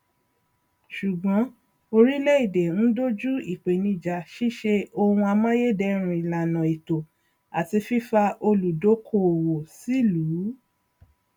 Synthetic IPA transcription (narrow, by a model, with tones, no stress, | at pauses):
ʃu˨ɡ͡bɔ̃˨˦ | o˧ɾi˦lɛ˦i˦˨de˨n̩˦do˦d͡ʒu˦i˨k͡pe˨nĩ˧d͡ʒa˨ʃi˦ʃe˧o˧hũ˧a˧mã˦je˦dɛ˧ɾ̃ũ˧i˨la˨nã˨i˨to˨ | a˨ti˧fi˦fa˧ʔo˧lu˨do˨˦kʰo˧˨wo˨si˨˦luː˨˦